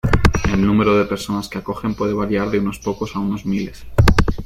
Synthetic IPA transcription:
e̞lnũme̞ɾoðepe̞ɾso̞naskeako̞xe̞mpwe̞ðe̞β̞aɾjaɾðeuno̞spo̞ko̞sauno̞zmile̞s

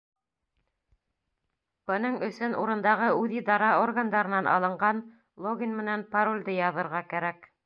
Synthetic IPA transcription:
b̥ɤ̆nɤɴɵ̆sɵnuɾɤ̆nd̪ɑʁɤʉðid̪ɑɾɑorɡand̪ɑɾɤ̆nɑnʔɑ̰lˠɤ̆ɴɢɑn | lˠoɡʲinmɘ̆nænpaɾolʲd̪ɤjɑðɤ̆ɾʁɑkæɾæk

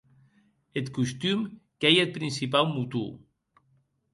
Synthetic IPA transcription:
et̪kust̪ymkejet̪̚pɾinsipawmut̪ṵ

